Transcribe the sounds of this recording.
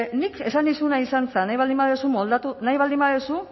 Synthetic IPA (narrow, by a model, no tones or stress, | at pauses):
nike̞sand̪isunaisant͡sanajβald̪imbaðesumold̪at̪unajβald̪imbaðesu